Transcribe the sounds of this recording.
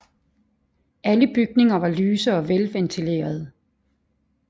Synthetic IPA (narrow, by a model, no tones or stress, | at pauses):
ʔæləb̥yɡ̥̚ne̝ŋɐʋɑ̈lyːsəɒ̽ʋelʋent͡sʰile̝̰ːɐð̞̩ˠ